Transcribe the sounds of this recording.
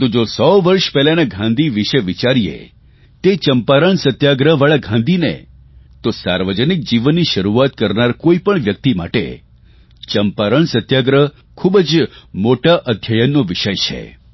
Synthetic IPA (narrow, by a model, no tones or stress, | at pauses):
t̪ud͡ʒosɔʋəɾʃpɛɦlaneɡʱãnd̪ʱiʋiʃəʋit͡ʃaɾijḛ | t̪et͡ʃəmpaɾəɳsət̪jaɡɾəɦʋaɭaɡʱãnd̪ʱinḛ | t̪osa̰ɾʋəd͡ʒənik̚d͡ʒiʋənːiʃəɾuat̪̚kəɾnaɾkoipəɳʋjək̚t̪ima̰ʈḛ | t͡ʃəmpaɾəɳsət̪jaɡɾəɦ | kʰubəd͡ʒmoʈaʔəd̪ʱjajənːoʋɪʃəjt͡ʃʰḛ